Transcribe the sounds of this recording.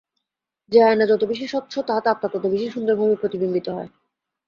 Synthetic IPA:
d͡ʑeaenad͡ʑɔt̪obiʃ̬eʃɔt̪ːʃʰot̪at̪at̚t̪ːat̪ɔt̪obiʃeʃund̪oɾbʱobupɾot̪ibimbit̪oɦɔe

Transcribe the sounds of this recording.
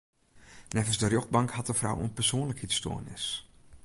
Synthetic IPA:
nɛvənsdərjox̚bɑŋkhat̚dəfra̰wə̰npərsoːnləkhitsto̰ːnɪ̰s

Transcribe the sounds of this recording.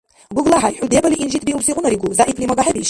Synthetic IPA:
ɡʷuɡlaħaiħʷᶣud̪ebaliʔinʒit̪̚ʰʼbiubsiqʷʼʊnaɾiɡuzaʔipʰlimaɡaħabiʃ

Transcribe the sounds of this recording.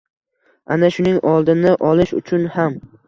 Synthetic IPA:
ʔa̰naʃʊnɪŋɒlˠd̪ɪnɪʔɒlˠɪʃʊ̰t͡ʃʰʊnham

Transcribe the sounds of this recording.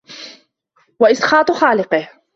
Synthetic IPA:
waʔɪsqɑːt̪ˤxɑːlɪqɨh

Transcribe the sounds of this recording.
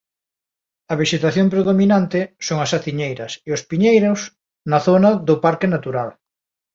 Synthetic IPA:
ɐβ̞iʃet̪aθjoŋpɾeðominant̪ɪsoŋɐsaθiɲejɾɐseʊspiɲejɾos | nɐθonɐðʊpaɾkenat̪uɾal

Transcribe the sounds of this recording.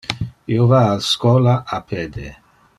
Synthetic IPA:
iovaaskɔlaʔapʰed̪e

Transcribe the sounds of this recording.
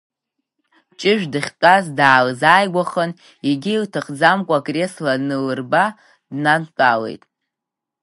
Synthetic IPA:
t͡ʃʼɪʒᶣdɨχʲtʼazdaːlzaːjɡʷaχən | iɡʲiiltʰɨχd͡zamkʷʼaɡʼre̞slanɨlɨrba | dnankʼale̞̰jtʼ

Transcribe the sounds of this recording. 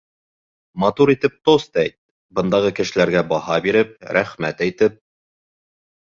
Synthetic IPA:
mɑt̪uɾit̪ɘp̚t̪ost̪æjt̪̚ | bɤ̆nd̪ɑʁɤkɘ̆ʃɘ̆læɾɡæbɑhɑbiɾɘp̚ɾæχmæt̪æjt̪ɘp̚

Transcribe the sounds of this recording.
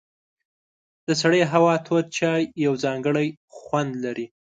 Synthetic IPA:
d̪̥əsaɽəjɦawɑt̪ʰoɾ̚t͡ʃɑjːawzɑŋɡəɽajxwand̪laɾi

